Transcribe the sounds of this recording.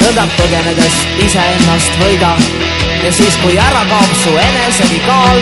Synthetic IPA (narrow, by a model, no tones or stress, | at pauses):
ed̪ɑmpːəɡened̪es | iseenːɑst̪vɤjd̪ɑ | jɑsiːskujæɾɑkɑːpsuenesekikɑːl